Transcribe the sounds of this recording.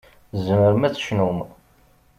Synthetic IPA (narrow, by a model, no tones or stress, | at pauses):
zəməɾəmæθʃnum